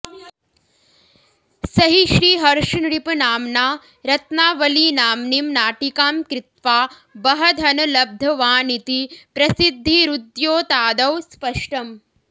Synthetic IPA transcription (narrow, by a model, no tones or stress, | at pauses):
sɐɦiʃɾiːɦɐɾʂnɽipunaːmnaː | ɾɐt̪naːʋɐliːnaːmnimnaːʈikaːmkɾɪt̪ʋaː | bɐɦɐd̪ʱɐnɐlɐb̚d̪ʱɐʋaːnit̪ipɾɐsid̪ʱːiɾud̪joːt̪aːd̪ɐwspɐʂʈɐm